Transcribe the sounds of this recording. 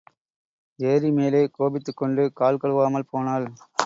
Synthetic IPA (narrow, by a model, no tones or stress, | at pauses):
eːɾimeːleːkoːbɪt̪ːɯkːɔɳɖɯkaːlkɐɭɯʋaːmɐlpoːnaːl